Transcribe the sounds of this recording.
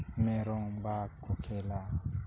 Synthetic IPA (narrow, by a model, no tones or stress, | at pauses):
mɛɾɔŋbakokʰɛla